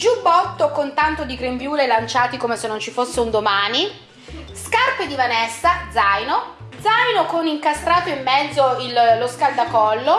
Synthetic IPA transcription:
d͡ʒubːɔt̪ːokont̪ant̪od̪iɡɾiɱbjuːlelant͡ʃaːt̪ikoːmesenːont͡ʃifosːeund̪omaːni | skarped̪ivanɛst̪ad̪zajno | d̪zajnokoniŋkast̪ɾaːt̪oimːɛd̪zːoilloskald̪akɔlːo

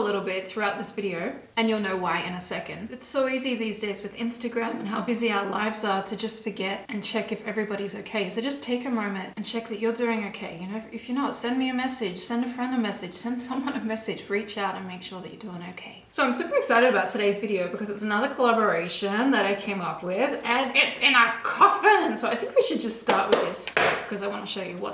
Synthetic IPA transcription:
əlɪɾl̩ˠbɪt̪̚θɹʉaʊt̪̚ðɪsv̥ɪɾioʊ | ɨ̃njulˠnoʊwaɪʔɨ̃nɨsɛkɨ̃nd̥ɨtsoʊiziðizdeɪzwɨðɪ̃nstɨɡɹæ̃mɨ̃nɦaʊbɪziaʊə˞la̰ɪvzə˞ɾɨd͡ʒʌstfə˞ɡɛɾɨ̃nt͡ʃʰɛkɨfɛvɹibɑɾiɨzoʊkʰeɪsoʊd͡ʒʌstʰeɪkɨmõʊ̃mɨ̃ntɨ̃nt͡ʃʰɛk̚ðɨt͡ʃə˞dʉɪ̃ŋoʊkʰeɪjɨnoʊɨfjɨnoʊsɛ̃nmiɨmɛsɪd̥ʒ̥sɛ̃ndɨfɹʌ̃nɨmɛsɨd̥ʒ̥sɛ̃nd̥sʌ̃mwʌ̃nɨmɛsɨ̥d͡ʒɹit͡ʃaʊɾɨ̃nmeɪkʃʊɹðɨ̰t͡ʃə̰˞dʉɪ̃ŋoʊkʰeɪsoʊãɪ̃msʉpə˞ɨksaɪɾɨɾɨbaʊtʰɨɾeɪzvɪɾioʊbɨkʰʌzɨtsənʌðə˞kʰəlæbə˞eɪʃɨ̃nðɨɾaɪkʰẽɪ̃mʌpwɪðɨ̃nɪtsɪ̃nəkʰɑfɨ̃nsoʊaɪθɪ̃ŋkwiʃɨd̚d͡ʒʌststɑɹʔwɨðɪskʰʌzaɪwɑ̃ntʰɨʃoʊjɨwʌ̰

